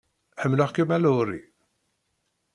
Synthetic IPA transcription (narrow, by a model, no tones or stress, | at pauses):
ħəmːləχkimæluɾḭ